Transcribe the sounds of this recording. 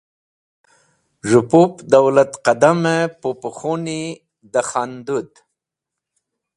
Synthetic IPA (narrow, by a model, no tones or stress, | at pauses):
ʐʊpupd̪awlat̪qad̪amepopuxoni | d̪əxand̪ud̪